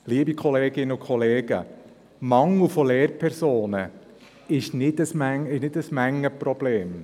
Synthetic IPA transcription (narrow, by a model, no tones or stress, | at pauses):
liːəbikʰɔleːɡɪnəʊkʰχɔleːɡ̥ə̰ | mɑŋl̩ufɔleːɾpʰɛɾsoːnə | ɪʃnɪdəsmæŋɪʃnɪdəsmæŋːəpɾɔb̥leːm